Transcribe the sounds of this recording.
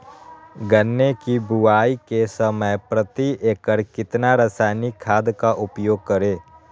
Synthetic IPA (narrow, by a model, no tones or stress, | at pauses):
ɡɐnːekibʊaːikesəməjpɾət̪ieːkəɾkɪt̪naɾɐsaːnikʰːaːd̪kaʔʊpjoːɡ̚kəɾeː